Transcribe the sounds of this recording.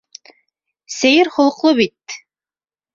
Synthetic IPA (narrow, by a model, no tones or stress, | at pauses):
sæjɘɾχŏlˠɤ̆qlˠɤβit̪̚